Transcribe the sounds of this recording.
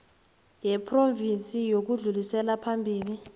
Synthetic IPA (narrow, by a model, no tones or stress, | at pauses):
jɛpʰrovint͡sʼijok̬uɮulisɛlapʰambʱiːli